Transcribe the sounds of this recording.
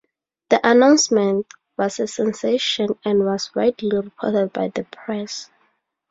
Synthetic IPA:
ðiʔanãʊ̃nsmɛ̃nt | wɔsəsɛ̃nseʃɔ̃nɛ̃nwɔsɹaɪtʰliɹipʰɔ̰tɛd̚bajðəpʰɹɛs

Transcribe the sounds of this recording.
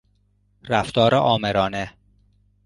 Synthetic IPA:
ɾæft̪ɒːɾeʔɒːmeɾɒːne

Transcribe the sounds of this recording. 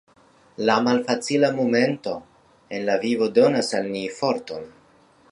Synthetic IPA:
lamalfat͡silamome̞nto̞ | e̞nlavivo̞do̞nasalnifo̞ɾton

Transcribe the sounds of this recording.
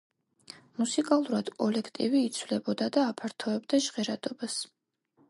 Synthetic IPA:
musikʼalˠuɾad̪̥kʼɔlɛkʰt̪ʼiviːt̪sʰvlɛbɔd̪ad̪aːpʰaɾt̪ʰɔɛbd̪aʒʁɛɾad̪̥ɔbas

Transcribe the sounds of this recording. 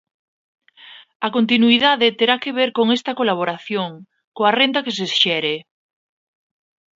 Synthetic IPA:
akont̪inuiðaðet̪eɾakeβ̞eɾkoŋest̪akolaβ̞oɾaθjoŋ | koarent̪akes̬esʃɛɾe

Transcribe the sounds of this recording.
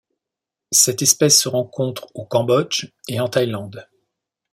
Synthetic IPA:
sɛt̪ɛspɛsːəʁɑ̃kʰɔ̃t̪χokɑ̃bɔd͡ʒeɑ̃t̪ajlɑ̃d̪

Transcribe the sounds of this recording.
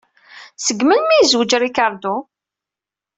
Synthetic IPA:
səɡməlmijzwəd͡ʒɾikaɾˤd̪u

